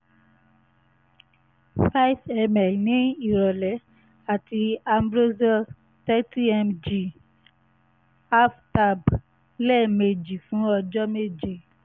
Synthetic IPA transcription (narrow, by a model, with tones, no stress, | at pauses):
fa˦i˦fɛ˧mɛ˨lnĩ˨˦i˦˨ɾɔ˨lɛ˨˦ | a˦˨ti˧a˧mbɾo˦zɔ˦ | tɛ˦ti˦ɛ˧md͡ʒi˨ | a˦fta˧˨b | lɛ˦˨me˧d͡ʒi˨fũ˨˦ɔ˧d͡ʒɔ˦me˦d͡ʒi˨